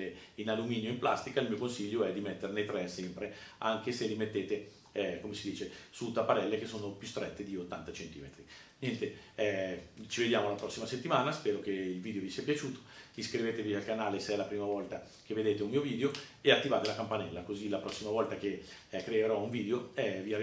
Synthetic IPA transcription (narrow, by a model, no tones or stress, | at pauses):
einalumiːnjoimpla̰st̪ikailmiːokonsiʎːoɛd̪imet̪ːernejt̪ɾɛsɛmpɾea̰ŋkeselimet̪ːeːt̪e | ɛkomesid̪iːt͡ʃesut̪apːaɾɛlːek̟esːoːnopjust̪ɾɛt̪ːed̪iot̪ːa̰nt̪at͡ʃent̪iːmet̪ɾi | njɛnt̪eɛt͡ʃived̪jaːmolapɾɔsːimaset̪ːimaːnaspɛːɾok̟eilviːd̪eovisiːapjat͡ʃuːt̪o̥iskɾiveːt̪evialkanaːlesɛlapɾiːmavɔlt̪a | k̟evːed̪eːt̪eumiːoviːd̪eoeat̪ːivaːt̪elakampanɛlːakozilapɾɔsːimavɔlt̪akekɾeeɾɔuɱviːd̪eoɛvia